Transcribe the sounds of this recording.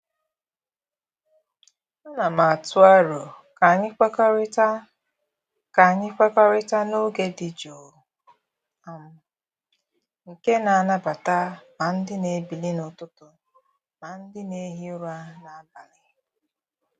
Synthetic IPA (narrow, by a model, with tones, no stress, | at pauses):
n̩˦na˨ma˨a˨tʊ˦a˦ɾo˨ | ka˨ɲɪ˦ka˦ka˦ | ka˨ɲɪ˦ka˦ka˦ɾɪ˦ta˦no˦ɡe˦dɪ˨d͡ʒo˨ | a˨m̩˦ | ŋ̩˨ke˦na˨a˨na˦ba˨ta˦ma˨n̩˦dɪ˦ne˨bi˨li˦nʊ˨tʊ˦tʊ˨ | ma˨n̩˦dɪ˦ne˨˦ɦi˦ʊ˦ɾa˦na˨a˦ba˨lɪ˨